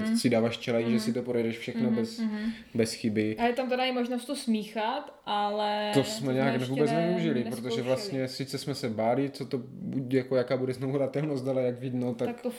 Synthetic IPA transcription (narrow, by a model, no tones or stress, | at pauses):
sɪdaːvaːʃt͡ʃɛlaiːʒɛsɪt̪opɾojɛdɛʃfʃɛxnobɛs | bɛsxɪbɪajɛt̪amt̪ɛdaimoʒnost̪osmiːxat̪ʔalɛt̪osmɛɲɛaːknɛvuːbbɛt͡st͡snɛvɪuʒɪlɪppɾot̪oʒɛvlast̪ɲɛsɪt͡sɛsmɛsɛbaːlɪt͡sot̪o | budɛjakojakaːbudɛznovudat̪ɛlnost̪alɛjaɡvid̪not̪akt̪o